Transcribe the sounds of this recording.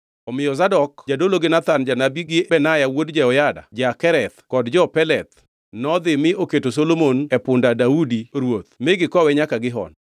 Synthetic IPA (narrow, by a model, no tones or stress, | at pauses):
ɔmɪjɔzadɔkd͡ʒadoloɡɪnat̪and͡ʒanabiɡɪbɛnajawodd͡ʒɛɔjada̰d͡ʒakɛɾɛt̪̚kɔdd͡ʒɔpɛlɛt̪̚ | nɔd̪ɪmɪoketosolomonɛpʊndadaudiɾwot̪mɪɡɪkɔwɛɲakaɡɪɦɔ̰n